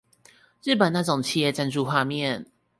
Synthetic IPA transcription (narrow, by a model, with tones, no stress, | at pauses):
ɻ̩˥˩pə˨˩na˥˩ʈ͡ʂʊ˨˩ŋt͡ɕʰi˥˧jɛ˥˩t͡sa˥nʈ͡ʂu˥˧xwa˥˧mjɛ˥˨n